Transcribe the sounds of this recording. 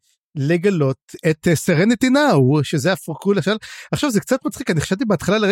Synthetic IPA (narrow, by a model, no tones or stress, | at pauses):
le̞ɡalo̞t̪et̪esaʁenet̪inauʃezeafkuleʃalaχʃavzek̚t͡sat̪mat͡sχikaniχḁʃalt̪ibeat̪χalalee